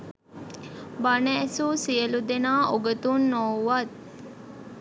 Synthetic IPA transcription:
banəːsuːsijəlud̪enaːʔoɡət̪unːowʋat̪̚

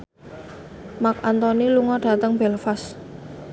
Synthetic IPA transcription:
mak̚ant̪ɔniluŋɔɖ̥a̤t̪əŋbɛlfas

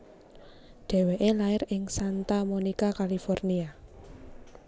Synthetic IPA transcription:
ɖ̥ɛ̤weʔelaɪɾɪŋsant̪amonikakalifɔrnia

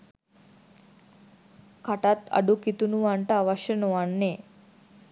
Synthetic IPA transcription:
kʰɐʈɐt̪ɐ̰ɖukit̪unuʋaɳʈaʋɐʂɐnuʋaɳːe

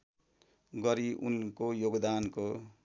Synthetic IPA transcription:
ɡʌɾiʔṵnkojoɡd̪anko

